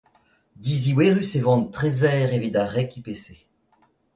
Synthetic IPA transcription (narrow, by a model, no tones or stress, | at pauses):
d̪iziweːʁysevɑ̃nt̪χezɛːʁevid̪aʁɛkipese